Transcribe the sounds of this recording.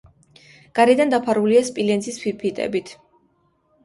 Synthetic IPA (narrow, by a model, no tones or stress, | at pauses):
ɡ̥aɾɛd̪and̪apʰaɾuliaspʼilɛnzispʰipʰit̪ʼɛ̰bit̪ʰ